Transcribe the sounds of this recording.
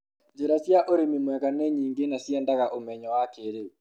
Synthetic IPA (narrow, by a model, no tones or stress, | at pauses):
d͡ʒeɾasjaʔoɾemimwɛɣanɛɲiːŋɡenasjɛndaɣaʔomɛɲɔwakeɾeu